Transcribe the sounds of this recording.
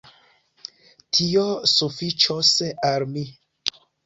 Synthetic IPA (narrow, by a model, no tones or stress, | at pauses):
tʰiosufit͡ʃosalmi